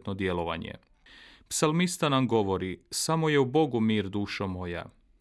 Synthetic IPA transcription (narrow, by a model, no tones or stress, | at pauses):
t̪nod̪jelo̞ʋa̰ɲḛ | psalmist̪anamɡo̞ʋo̞ɾisamo̞je̞ubo̞ɡumiːɾd̪uːʃomo̞ja̰